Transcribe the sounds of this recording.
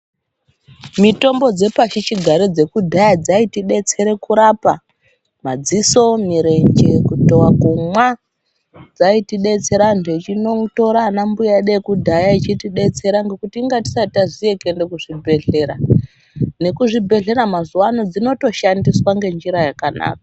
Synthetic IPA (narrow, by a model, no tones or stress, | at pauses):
mito̞mbo̞d͡ze̞paʃit͡ʃiɡʱaɾed͡ze̞kudʱajad͡zaitiɗe̞t͡se̞ɾe̞kuɾapa | mad͡ziso̞miɾe̞nd͡ʒe̞kutowakumwa | d͡zaitiɗe̞t͡se̞ɾandet͡ʃinoto̞ɾanambujaɗekudʱajait͡ʃitiɗe̞t͡se̞ɾaŋɡe̞kutiːŋɡati̥sataʐieke̞nde̞kuʐibʱe̞ɮe̞ɾa | ne̞kuʐibʱe̞ɮe̞ɾamazuwano̞d͡zino̞to̞ʃandiswaŋɡe̞nd͡ʒiɾajakana̰ːkḁ